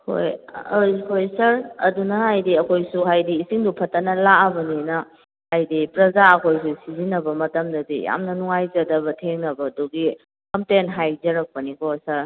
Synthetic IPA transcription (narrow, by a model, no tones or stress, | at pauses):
ho̰jojhojsɐɾɐ̰dunɐɦajdiɐkʰojsuɦajdiːsiŋdupʰɐtːɐnɐlaɐbɐninɐ | hajdipɾɐzaɐkʰojs̬usizinɐbɐmɐtɐmdɐdḭja̰mnɐnuŋajzɐdɐbɐtʰeŋnɐbɐːduɡi | kɐmtenɦajzɐɾɐk̚pɐnikʰɔsɐɾ